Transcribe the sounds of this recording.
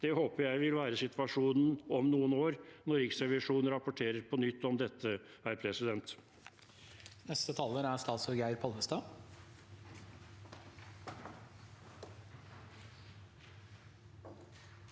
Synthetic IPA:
d̪̥ɛhoːpəɾjæɪʋɪlʋæːɾəsɪt̪ʋɑʂuːnn̩ɔmnuːənoːɾnɔɾɪksɾɛʋɪʂuːnn̩ɾɑpɔʈʰeːɾəɾpʰɔnʏt̪ːɔmd̪ɛt̪ʰːə | æɾpʰɾɛsɪd̪ɛnt̪ | nɛst̪ət̪ʰɑlːəɾæɾst̪ɑːt̪sɔɾɡæɪɾpʰɔlʋəst̪ɑː

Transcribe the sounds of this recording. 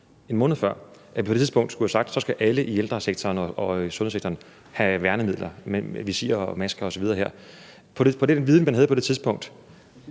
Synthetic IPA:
e̝nmɔ̽ːnð̩ˠfɶɐ̰ʔæ̥ipʰdet͡sʰiðˠb̥ɔ̽ŋ̰d̥sɡ̥uhæsɑ̈ɡ̥d̥sɒ̽sɡ̥æʔæləʔield̥ʁɐseɡ̥̚t͡sʰɒːnɒʔɒ̽sɔ̽nhð̩ˠseɡ̥̚t͡sʰɐːn | hæʋæɐnəmið̰ˠlʔɐmeʋisḭːɐɒmæsɡ̥ɐɒ̽sɒ̽ʋiðˠɐːɦeɐ̰ | pʰɒ̽depʰɒ̽d̥enʋiðˠn̩mænɦæð̩ˠpʰɒ̥e̝t͡sʰiðˠsb̥ɔ̽ŋ̰d̥

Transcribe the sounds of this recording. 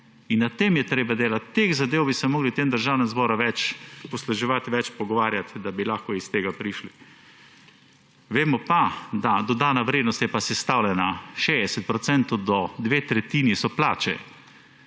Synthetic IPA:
inːat̪eːmjɛt̪ɾeːbad̪eːlat̪ːekzad̪eːwbisɛmɔːɡlit̪emd̪əɾʒaːwnɛmzbɔːɾaʋɛt͡ʃpɔslɛʒɛʋat̪ʋɛt͡ʃpɔɡɔʋaːɾjat̪d̪abilaxkɔist̪eːɡapɾiʃli | ʋeːmɔpad̪ad̪ɔd̪aːnaʋɾeːd̪nɔst̪jɛpasɛst̪awlɛnaʃeɛsɛt̪̚pɾɔt̪sɛnt̪od̪ɔd̪ʋeːt̪ɾɛt̪iːnisɔplaːt͡ʃɛ̰

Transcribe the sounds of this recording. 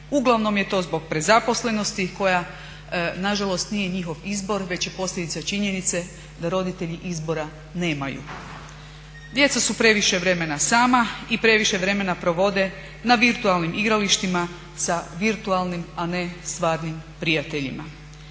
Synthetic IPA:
uɡlˠaʋno̞mje̞t̪o̞ːzbo̞ɡ̚pɾe̞zapo̞sle̞no̞st̪iko̞ja | naʒalo̞st̪nije̞ɲixo̞ʋizbo̞ɾʋe̞t͡ɕje̞po̞sʎʲe̞d̪it̪sat͡ʃiɲe̞nit̪se̞ | d̪aɾo̞d̪it̪e̞ʎiʔizbo̞ɾa | ne̞ːmajṵ | d̪je̞t̪sasupɾe̞ʋiʃe̞ʋɾe̞me̞nasaːmaipɾe̞ʋiʃe̞ʋɾe̞me̞napɾo̞ʋo̞d̪e̞ | naʋiɾt̪ualˠnimʔiɡɾaliʃt̪ima | saʋiɾt̪ualˠnimane̞st̪ʋaːɾnimpɾijat̪e̞ʎḭma

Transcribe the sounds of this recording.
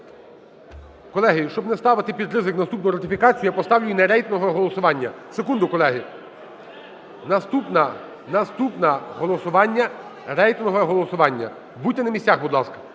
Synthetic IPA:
kɔlˠɛɦɪʃt͡ʃɔbnɛst̪ɑʋɪt̪ɪpʲid̪rɪzɪknɐst̪upnɔjɾɐt̪ɪfʲikɑt͡sʲijpɔst̪ɑwlʲʊjinɛɾɛjt̪nɔɦɔɦɔlˠɔsʊʋɑnʲːɐ̰sekund̪ʊkɔlˠɛɦɪ | nɐst̪upnɐ | nɐst̪upnɐɦɔlˠɔsʊʋɑnʲːɐ | rɛjt̪nɔɦɔɦɔlˠɔsʊʋɑnʲːɐ̰ | butʲːɪnɐmʲisʲaxbud̪lˠɑskɐ̥

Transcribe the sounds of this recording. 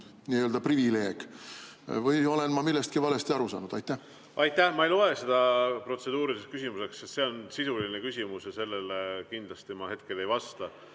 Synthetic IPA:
niːøld̪̥ɑprivile̞ːɡ̥ | vɯjo̞le̞nmɑmilːest̪̚kivɑle̞st̪iɑɾusɑ̰ːnud̪ɑjt̪ːˑæh | ʔɑjt̪ːˑæhmɑejlo̞e̞se̞d̪̥ɑpro̞t̪se̞d̪̥uːɾiseskysimuse̞ksːest̪se̞o̞nsisulinekysʲimusjɑse̞lːe̞lekind̪lɑst̪imɑhe̞t̪̚ke̞le̞jvɑst̪ɑ

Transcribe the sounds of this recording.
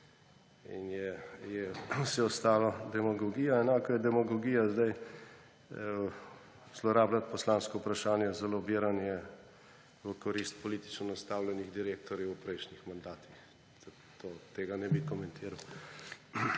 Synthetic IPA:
ḭnjɛjɛwsɛɔst̪aːlad̪ɛmaɡɔɡiːjaɛnaːkɔjɛd̪ɛmaɡɔɡiːjazd̪aj | z̥lɔɾaːblat̪̚pɔslaːnskoupɾaʃaːnjɛzalɔbiːɾanjɛ | ʋəkɔɾist̪̚pɔlit̪i̥t͡ʃnɔnast̪aːwlʲjɛniɣd̪iɾeːk̚t̪ɔɾjɛwpɾɛjʃnixmand̪aːt̪ix | a | t̪ʰoːt̪eːɡanɛbikɔmɛnt̪ʰiːɾaw

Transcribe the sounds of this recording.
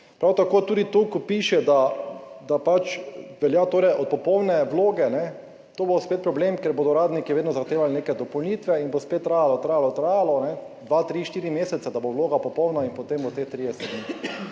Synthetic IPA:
pɾawt̪akoːt̪uːd̪it̪okɔpiʃɛd̪ad̪apat͡ʃʋɛljat̪oːɾɛjʔɔt̪̚pɔpɔwnɛʋloːɡɛnɛ | t̪oːbospeːt̪̚pɾɔblemkeɾboːd̪ɔɾaːd̪nikiʋeːd̪nɔzaxt̪eːʋalneːkɛd̪ɔpɔwniːt̪ʋɛinbospet̪ːɾaːjalɔt̪ɾaːjalɔt̪ɾaːjalɔnɛd̪ʋat̪ɾiʃt̪iːɾimeːsɛt̪sad̪abowloːɡapɔpɔwnainpɔt̪embot̪et̪ɾijɛsɛd̪ni

